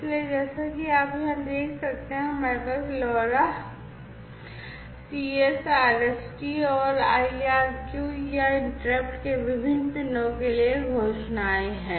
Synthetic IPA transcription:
ɪslied͡ʒɛːsakiaːpɦɐmd̪eːkʰsɐk̚t̪eɦɛ̃mɛkəflɔːɾa | siːesaːɾɛsʈiɔːɾaːiaːɾkjuiaɪɳʈɾeːpʈkeʋɪbʱɪnːpɪnõkelieɡʱoːʃnaːeɦɛ̃ː

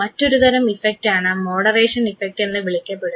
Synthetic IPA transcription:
mɐtːo̞ɾut̪ɐɾɐmifek̚ʈaːɳɨmo̞ːɽɐreːʂɐnifek̚ʈe̞nːɨʋiɭikʲːɐpːeɽu

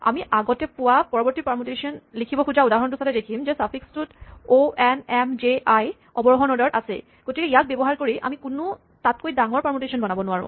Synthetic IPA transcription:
a̰miʔaɡɔtɛpʊwapɔɹɔbɔɹtipamotesiɔnlikʰibɔkud͡ʒaudaɦɔntʊsatɛdekʰimzɛsapʰikstutoɛnɛmd͡ʒeaj | ɔbɔɹɔɦɔnɔdɔɹtasɛ̰ | ɡ̥otikɛijak̚bebɔɦaɹkoɹiʔa̰mikunʊ | tat̚kojdaŋɔɹpaɹmotesɔnbɔnabɔnʊwaɹʊ̰̃

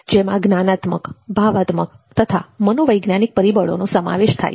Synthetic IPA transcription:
d͡ʒemãɡnanat̪mə̰kbʱaʋat̪məkt̪ət̪ʰa̰mənoʋəjɡnanik̚pəɾibəɭo̰nosəma̰ʋeʃt̪ʰa̰j

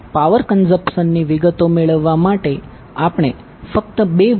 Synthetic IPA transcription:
paʋəɾkənsəpʃənːiʋiɡət̪omeɭəʋːamaʈe | apɽ̃e | fək̚t̪əbe

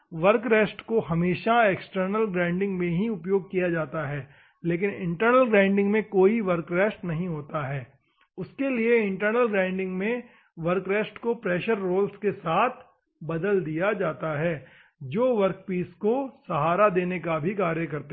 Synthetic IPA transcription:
ʋɐɾkɾɛːsʈkoɦɐmeːʃaeːksʈəɾnəlɡɾãːɪ̃ɳɖɪ̃ŋɡmẽɦiʊpjoːɡ̚kijad͡ʒaːt̪aɦɛː | leːk̬ɪnɪ̰̃ɳʈəɾnəlɡɾãːɪ̃ɳɖɪ̃ŋɡmẽkoːiʋɐɾkɾɛːsʈnɐɦĩɦoːt̪aɦɛː | ʊskelieɪ̃ɳʈəɾnəlɡɾãːɪ̃ɳɖɪ̃ŋɡmẽ | ʋɐɾkɾeːsʈkopɾɛːʃəɾːoːlskesaːt̪ʰ | bɐd̪əld̪ijad͡ʒaːt̪aɦɛː | d͡ʒoːʋɐɾk̚piːskosɐɦaːɾad̪eːnekabʱikaːɾjəkɐɾt̪a

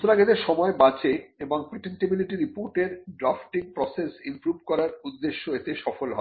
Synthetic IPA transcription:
sɾaɡed̪eɾʃɔmɔebat͡ɕeeboŋpɾeʈenʈebiliʈiɾipoɾʈeɾɖɾafʈiŋpɾɔsesimpɾubkɔɾaɾud̪ːeʃːoet̪eʃɔfolɦɔ̰e

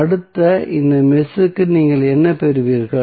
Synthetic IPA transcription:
ɐɽɯt̪ːɐɪnd̪ɐmɪsɯkːɯniːŋɡɐɭɛnːɐpɛɾɯʋiːɾɣɐ

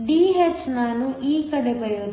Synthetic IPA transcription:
ɖiːet͡ʃnaːnuʔiːkɐɽepɐjoː

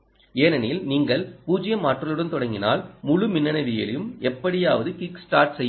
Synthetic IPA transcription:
eːnɐnilniːŋɡɐɭpuːd͡ʒɪjɐmaːʈrɐlɯɽɐnt̪ɔɽɐŋɡɪna̰ːlmʊɻɯmɪnːɐnɐðɪjɐ̰ljɯmɛpːɐɽɪjaːʋɐðɯkɪksʈaːɾʈsɛjː

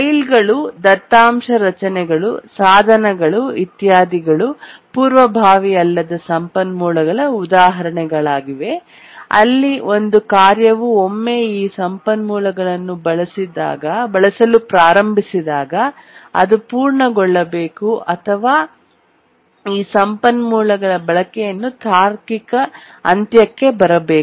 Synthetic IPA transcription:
ɐjlɡɐɭud̪ɐt̪ːaːmʂɐɾɐt͡ʃɐnɛɡɐɭusaːd̪ʱɐnɐɡɐɭuit̪jaːd̪iɡɐɭupuːɾʋɐbʱaːʋiɐlːɐd̪ɐsɐmpɐnmuːlɐɡɐɭɐud̪aːɦɐɾɐɳɛɡɐɭaːɡiʋe̞ | ɐ̰lːio̞nd̪ukaːɾjɐʋuomːe̞ːiːsɐmpɐnmuːlɐɡɐɭɐnːubɐɭɐsid̪a̰ːɡɐbɐɭɐsɐlupɾaːɾɐmbʱisid̪aːɡɐɐ̰d̪upuːɾɳɐɡɔɭːɐbe̞ːkuʔɐt̪ʰɐʋaː | iːsɐmpɐnmuːlɐɡɐɭɐbɐɭɐkɛjɐnːut̪ʰaːɾkikɐ | ɐ̰nt̪jɐkːe̞bɐɾɐbeː

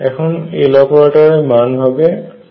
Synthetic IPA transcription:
ɛkʰɔnelɔpɔɹataɹɛmanbʱabɛ

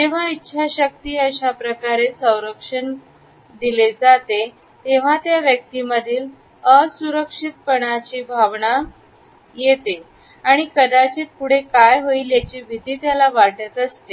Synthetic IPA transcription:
d͡ʑeʋ̤aitːɕʰaɕək̚t̪iːəɕapɾəkaɾesə̃w̃ɾəkʂən | d̪iled͡zat̪e | t̪eʋ̤at̪jaʋjək̚t̪iməd̪ʱiːl | əsuɾəkʂit̪̚pəɽ̃at͡ɕiːbʱaʋɳa | jet̪e | aɽ̃ikəd̪at͡ɕet̪̚puɽ̤ekajɦoiljat͡ɕiːbʱit̪iːt̪jalaʋaʈət̪əst̪e

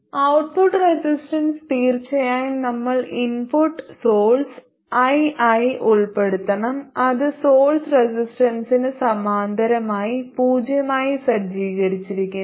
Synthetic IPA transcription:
ɐwʈ̚puʈresisʈɐnst̪iːrt͡ɕːɐjaːjinɐmːɐɭinpuʈːsoːɭs | ɐjaːjiʔuɭpe̞ɽut̪ːɐɳɐmɐðɨsoːlsresisʈɐnsinɨsɐmaːnd̪ʱɐɾɐmaːjipuːd͡ʑjɐmaːjisɐd͡ʑiːɣɐɾit͡ɕːiɾikʲːu

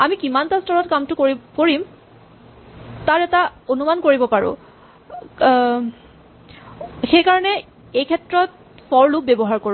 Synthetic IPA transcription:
amikimantastʰɔɹɔtkamtʊkoɹikoɹim | taɹɛtaonumankoɹibɔpaɹʊ̰̃ | xejkaɹɔnɛ | ejkʰɛtɹɔt̚ | fɔɹluk̚bɛbɔɦaɹkoɹ̃

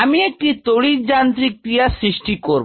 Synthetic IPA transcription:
amiek̚ʈit̪oɽid͡ʑant̪ɾikːɾijasɾiʃʈikoɾb

